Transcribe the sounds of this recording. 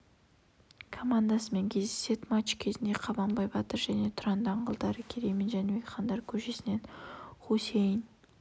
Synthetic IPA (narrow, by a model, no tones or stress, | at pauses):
kʰomand̪asəme̞ŋkʲʰe̞zd̪ese̞t̪mɑt͡ʃkʲʰe̞zɪnd̪e̞qʰɑbɑmbɑjbɑt̪əɾʒæne̞t̪ʰʊɾɑnd̪ɑɴɢəlˠd̪ɑɾəkʲʰeɾejmɪnʒænemekχɑnd̪ɑɾkʲʰɵʃe̞sɪne̞nχosejɪn